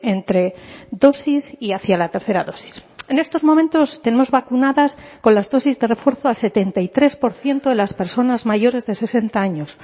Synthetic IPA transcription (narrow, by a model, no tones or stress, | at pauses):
ent̪ɾe̞ðo̞sisiaθjalat̪e̞ɾθe̞ɾaðo̞si̥se̞ne̞st̪o̞zmo̞ment̪o̞st̪ene̞mo̞zβakunaðasko̞nlazðo̞sizðe̞re̞fwe̞ɾθoalse̞t̪e̞nt̪ajt̪ɾe̞spo̞ɾθje̞nt̪oðelaspe̞ɾso̞nazmaʝo̞ɾe̞zðese̞se̞nt̪aaɲo̞s